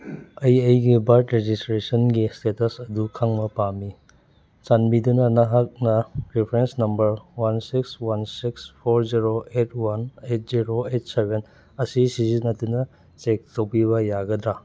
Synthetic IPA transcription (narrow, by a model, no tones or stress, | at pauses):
ɐjejɡibaɾtɾed͡ʒistɾesɐnɡistetɐsɐdukʰaŋmɐpami | t͡ʃanmidunɐnɐɦak̚nɐɾipʰɾensnɐmbɐɾwansikswansikspʰoɾziɾoet̚ʰwanet̚ziɾoet̚sebʱen | ɐsisizinɐtunɐ | t͡ʃek̚towpiβɐjaɡɐd̪ɾa